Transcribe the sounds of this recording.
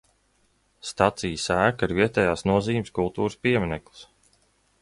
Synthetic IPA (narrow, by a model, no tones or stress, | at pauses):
st̪at̪sijəsæːkaiɾviɛt̪ɛjaːsnuɔziːmskulˠt̪uːɾɨspiɛminɛklˠu̥s